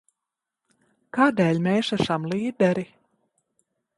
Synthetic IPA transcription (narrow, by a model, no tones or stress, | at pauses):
kaːd̪ɛːlʲmʲɛːʃaʃamlˠiːd̪ɛɾi